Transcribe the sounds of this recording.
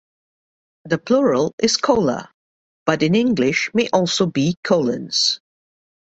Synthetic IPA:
ðəpʰl̥ʊɹəlˠɪz̥kʰoʊlə̰ | b̥ʌɾɨ̃nɪ̃ŋɡlɪʃmeʔɔlˠsoʊbikʰoʊlə̰̃nz̥

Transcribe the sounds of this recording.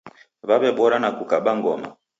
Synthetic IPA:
βaβɛɓɔɾanakukaɓaŋɡɔma̰

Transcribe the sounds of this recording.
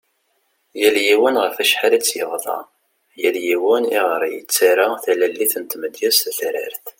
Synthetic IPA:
jæljiwænʁəfæʃħalt͡sːjəvðˤɑ̰ | jæljiwæniʁɾˤijə̰t͡sːaɾaθælælːiθənt̪məd̪jæst̪θɾə̰ɾθ

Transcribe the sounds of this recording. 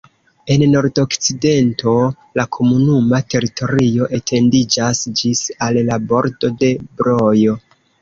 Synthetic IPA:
e̞nːo̞ɾdo̞kt͡side̞ntʰo̞ | lakʰo̞munumate̞ɾitʰo̞ɾio̞ʔe̞tʰe̞ndid͡ʒasd͡ʒisallabo̞ɾdo̞de̞bɾo̞jo̞

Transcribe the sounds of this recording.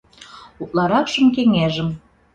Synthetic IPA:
ut̪lɑɾɑkʃə̆mk̬eŋeʒə̆m

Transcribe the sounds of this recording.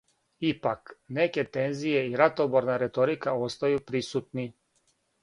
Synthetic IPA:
ipakneke̞t̪e̞nzijeiɾat̪oboɾnaɾet̪o̞ɾikao̞st̪ajupɾisut̪ni

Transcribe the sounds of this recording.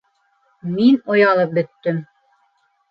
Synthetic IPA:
minŏjɑlˠɤp̚bɵ̆t̪ːɵm

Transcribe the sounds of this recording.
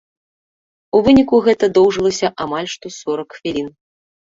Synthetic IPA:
uvɨnʲikuɣɛt̪ɐd̪ɔwʐɨlˠɐsʲɐʔamalʲʂt̪ɔsɔɾɐkxfʲilʲin

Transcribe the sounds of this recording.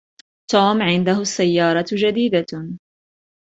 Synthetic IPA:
t̪oːmʕɪnd̪aɦʊasːajːɑːɾˤɑd͡ʒad̪iːd̪a

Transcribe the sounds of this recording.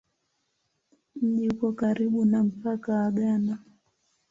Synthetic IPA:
m̩ʄiukɔkaɾiɓunam̩pakawaɠana

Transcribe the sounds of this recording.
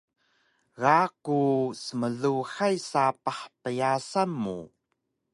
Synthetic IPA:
ɣakusəməɮuħajsapaħpəjasamːṵ

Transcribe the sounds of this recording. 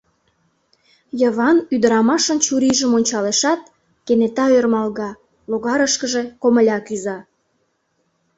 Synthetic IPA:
jəβɑnyd̪əɾɑmɑʃənt͡ɕuɾiʒəmonʲt͡ɕɑleʃɑt̪̚ | kenet̪ɑørmɑlɣɑ | loɣɑɾəʃkəʒe̽koməlʲɑkyzɑ

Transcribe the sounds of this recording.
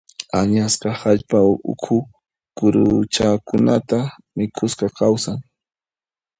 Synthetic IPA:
aɲasqɑhaʎpaʊ̰kʰʊ | kʊɾʊt͡ʃakʊnat̪a | mɪkʰʊsqɑkʰawsaŋ

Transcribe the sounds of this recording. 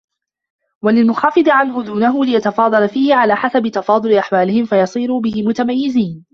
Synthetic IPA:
walɪlmʊxɑːfɨd̪ˤʕanhʊd̪uːnaɦʊlɪjat̪ɑfɑːd̪ˤɑlafiːhɪʕalaːħasabɪt̪ɑfɑːd̪ˤʊlɪʔaħwaːlɪhɪmfajɑsˤiːɾuːbɪhɪmʊt̪amajːɪziːn

